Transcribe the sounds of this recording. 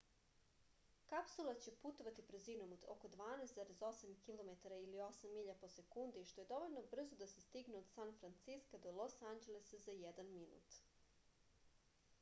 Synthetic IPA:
kapsulˠat͡ɕe̞put̪o̞ʋat̪ibɾ̩zinomoko̞d̪ʋaːnɛsd̪zaɾezo̞samkilˠo̞met̪aɾailio̞samːiʎapo̞se̞kund̪iʃt̪o̞je̞d̪o̞ʋo̞ʎno̞br̩zod̪ase̞st̪iɡneod̪sanfɾant̪siskad̪olˠo̞sand͡ʑelesazajed̪anminṵt̪

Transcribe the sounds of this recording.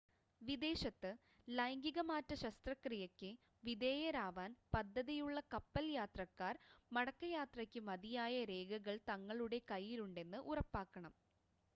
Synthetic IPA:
ʋid̪e̞ːɕɐt̪ːɨ | lɐjɐŋɡiɣɐmaːtːɐɕɐst̪rɐkrijɐkʲːɨ | ʋid̪e̞ːjɐɾaːʋaːnpɐd̪ʱːɐðijuɭːɐkɐpːɐljaːt̪rɐkːaːrmɐɽɐkːɐjaːt̪rɐkʲːɨmɐðijaːjɐɾe̞ːɡɐɣɐɭt̪ɐŋːɐɭuɽe̞kɐjːiluɳɖe̞nːɨʔurɐpːaːkːɐɳɐm

